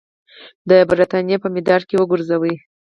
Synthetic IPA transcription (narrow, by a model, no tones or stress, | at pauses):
d̪əbɾit̪ɑnjepəmɪd̪ɑɾkewəɡuɾzawəj